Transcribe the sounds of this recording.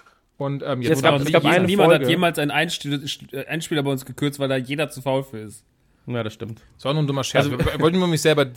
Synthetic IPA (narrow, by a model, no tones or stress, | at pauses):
ʔʊntʔɛːmjɛaaɪnəniːmanhaɡjeːmaːlsʔaɪnʔaɪnʃʔaɪnʃpiːlɐbaɪʊnsɡ̥əkʰʏɐt͡stv̥aɪldaːjeːdɐt͡sufaʊlfyːɐɪst | jaːɾasʃtɪmt | z̥ɔnundʊmɐʃɛaɐzoɔltnɐmɪçz̥ɛlbɐd